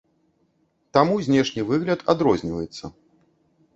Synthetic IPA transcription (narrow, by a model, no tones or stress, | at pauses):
t̪amuzʲnʲɛʂnʲivɨɣlʲɐt̪ad̪ɾɔzʲnʲivɐjɛt̪sːɐ